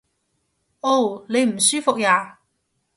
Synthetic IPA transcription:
ʔo˥˩wne˨˧jm̩˨˩syː˥fʊ˨k̚jaː˨˧

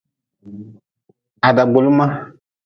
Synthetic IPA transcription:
a˨da˨ɡ͡bo˨lu˦ma˦

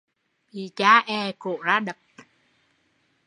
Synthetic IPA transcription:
ɓi˨˩˨t͡ɕaː˧˦ʔɛ˨˩ko˧˨zaː˧˥ɗə˨˩k̚

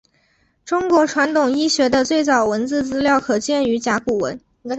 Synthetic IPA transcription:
ʈ͡ʂʊ˥ŋkwɔ˧˥ʈ͡ʂʰwa˧˥nt̪ʰʊ˨˩ŋi˥ɕɥɛ˧˥d̪ə˧t͡swe˥˩ɪt͡sɑ˨˩ʊwə˧˥nt͡sɹ̩˥˩t͡sɹ̩˥ljɑ˥˩ʊkʰɤ˨˩t͡ɕjɛ˥˩ny˧˥t͡ɕja˧˥ku˨˩wə̰˧˥n

